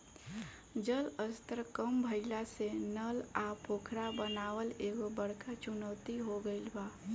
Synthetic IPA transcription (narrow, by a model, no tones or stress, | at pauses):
d͡ʒələst̪əɾkəmbʱəɪlasenəlapokʰɾabənaːwəleɡobəɽkat͡ʃʊnəʊt̪iɦoɡəɪlba